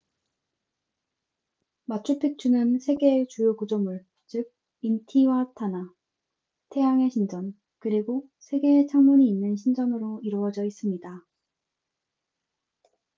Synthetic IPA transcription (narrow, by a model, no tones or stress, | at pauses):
mat͡ɕʰupʰik̚t͡ɕ͈ʰunɯnsʰe̞ɡeːt͡ɕujokud͡ʑomuɭ | t͡ɕɯɡ̚ | intʰiwatʰana | tʰe̞jaŋe̞ɕʰind͡ʑʌn | kɯɾiɡo | sʰe̞ɡe̞ːt͡ɕʰaŋmuɲiːnːɯnɕʰind͡ʑʌnɯɾoiɾoʌd͡ʑʌis͈ɯmɲida